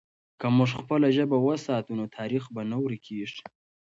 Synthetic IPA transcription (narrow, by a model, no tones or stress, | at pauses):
kamʊʐxpəlaʒəbawəsɑt̪unot̪ʰɑɾixbanawɾikʰeʐ